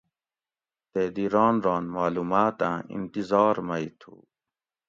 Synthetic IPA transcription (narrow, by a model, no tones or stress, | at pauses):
t̪eːd̪iɾɑːnɾɑːnmaːluːmaːt̪ã̰ːḭnt̪izɑːɾmɐit̪ʰṵ